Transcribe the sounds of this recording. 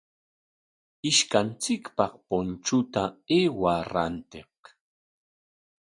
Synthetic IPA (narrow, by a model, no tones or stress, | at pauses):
ɪʃkant͡sɪkpɑχpont͡ʃʊt̪aeːwaɾa̰nt̪ɪq